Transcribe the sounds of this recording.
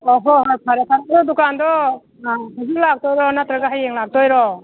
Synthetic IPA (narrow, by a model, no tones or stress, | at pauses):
ɔɦɔɦajpʰaɾakʰanaɾɔd̪ukandɔ | aɦazulak̚t̪ɔjɾɔnat̪ɾaɡaɦajeŋlak̚tʰɔjɾɔ